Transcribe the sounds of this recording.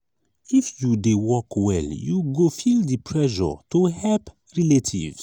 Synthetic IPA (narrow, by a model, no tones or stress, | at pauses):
ifjudewɔkwɛ̰ljuɡofildipʰɹɛʒɔ̰tuhɛlp | ɹɛletʰḭv